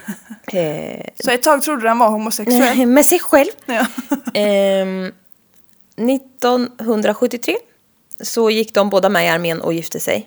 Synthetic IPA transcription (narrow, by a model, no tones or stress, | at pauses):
sɔɛt̪ʰːɑːɡ̚t̪ʰɾʊd̪ːanvaɾhumʊsɛksɛlmɛsɛjɧɛlv | nɪt̪ːɔnɦɵnd̪ɾaɧɵt̪ːɪt̪ʰɾeː | sɔjɪkːd̪ɔmboːd̪amɛɪaɾmeːnʔɔ̰jɪft̪ʰəsɛ̰j